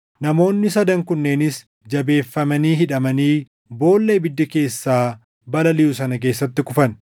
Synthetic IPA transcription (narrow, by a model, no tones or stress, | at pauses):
nɐmo̞ːnːɪsɐd̪ɐŋkʊnːe̞ːnɪs | d͡ʒɐbe̞ːfːɐmɐniːɦɪᶑɐmɐniː | bo̞ːlːe̞ːbɪd̪ːɐke̞ːsːaː | bɐlɐlɪjus̬ɐnɐke̞ːsːɐt̪ːɪkʊfɐn